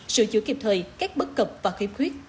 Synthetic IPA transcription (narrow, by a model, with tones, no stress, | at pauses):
sɨ̰˧˨t͡ɕɨ̰˧˨˦ki˨˩p̚t̪ʰəː˨˩jkaː˦˥k̚ɓə˦˥k̚kə˨˩wp̚vaː˨˩xḭ˧˦p̚xwi˦˥ət̚